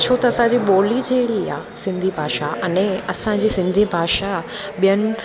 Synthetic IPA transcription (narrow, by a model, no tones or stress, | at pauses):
t͡ɕʰot̪ɐɐsãd͡ʑiɓoːlid͡ʑeːɽia̰ːsɪ̃nd̪ʱibʱaːʃaʔɐnɛ̃ɐsãd͡ʑiːsɪ̃nd̪ʱibʱaːʃa | ɓijənɪ̆